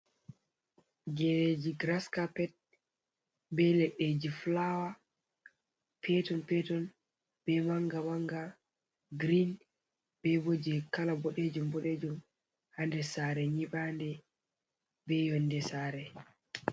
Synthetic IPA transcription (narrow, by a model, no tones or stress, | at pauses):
d͡ʒɛɾed͡ʒiɡɾaskapɛt̚ | bɛlɛɗed͡ʒiflawa | pʰɛtɔnpɛtɔn | b̥ɛmaŋɡamaŋɡa | ɡɾin | b̥ɛbod͡ʒɛkalabɔɗed͡ʒumbɔɗed͡ʒum | handɛsaɾɛɲiɓandɛ | bɛjɔndɛsaɾɛ